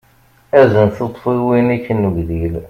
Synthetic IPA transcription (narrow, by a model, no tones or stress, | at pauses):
æzənθət̪ˤːfiwinækːənːəɡðil